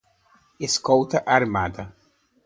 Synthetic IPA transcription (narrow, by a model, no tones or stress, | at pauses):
eskowt̪ɐʔaɾmad̪ɐ